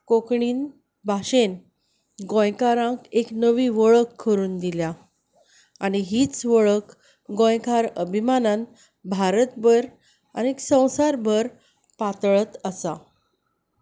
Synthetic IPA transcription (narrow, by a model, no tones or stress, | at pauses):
kokɳiːn | bʱaɕen | ɡõjkaɾãkeknəʋiːʋəɭəkʰːəɾuːnd̪ilja | aɽiɦiːt͡sʋəɭək | ɡõjkaɾəbʱimanan | bʱaɾət̪bəɾ | a̰niksə̃w̃saɾbʱəɾ | pat̪ɭət̪əsa̰